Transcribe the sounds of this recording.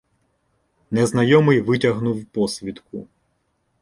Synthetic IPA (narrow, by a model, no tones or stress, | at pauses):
nɛznɐjɔmɪjʋɪtʲɐɦnuwpɔsʲʋʲit̪kʊ̰